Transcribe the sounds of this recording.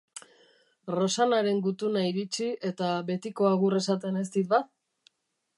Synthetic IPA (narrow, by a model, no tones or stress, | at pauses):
ro̞sanaɾe̞ŋɡut̪unaiɾit͡ʃiʔe̞t̪aβe̞t̪iko̞aɣ̞ure̞sat̪e̞ne̞st̪it̪̚ba